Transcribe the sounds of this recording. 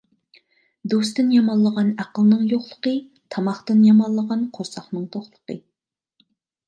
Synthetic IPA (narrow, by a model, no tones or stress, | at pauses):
d̪ost̪ɨnjɑmɑlˠːəʁɑnæqəlˠnɨŋjoχlˠəqə | t̪ʰɑmɑχt̪ɨnjɑmɑlˠːəʁɑnqʰoɾsɑχnɨŋt̪ʰoχlˠəqə